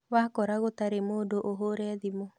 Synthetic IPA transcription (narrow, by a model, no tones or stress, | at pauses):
βakɔɾaɣot̪aɾemodoʔoɦoɾɛðimo